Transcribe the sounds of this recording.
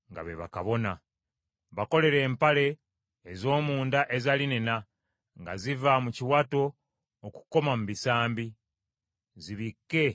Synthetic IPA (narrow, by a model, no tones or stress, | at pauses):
ŋɡa̰βeβa̰kaβo̞na | βako̞le̞ɾe̞ːmpale̞ː | zo̞ːmuːndaʔezalinena | ŋɡa̰zivamuciwato̞ː | ku̥ko̞mamuβisaːmbi | ziβikːe̞